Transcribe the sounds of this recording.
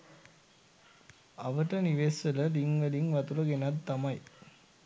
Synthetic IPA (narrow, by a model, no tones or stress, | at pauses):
ɐʋɐʈːɐniʋeːsɐlɐliŋʋɐliŋʋɐt̪uɾɐɡenɐd̪t̪ːɐmɐj